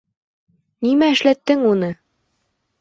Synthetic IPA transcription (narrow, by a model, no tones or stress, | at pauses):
nimæɘ̆ʃlæt̪ːɘŋunɤ